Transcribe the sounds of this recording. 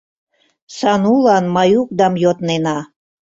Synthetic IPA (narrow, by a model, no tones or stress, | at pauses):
sɑnulɑnmɑjuk̚d̪ɑmjot̪nenɑ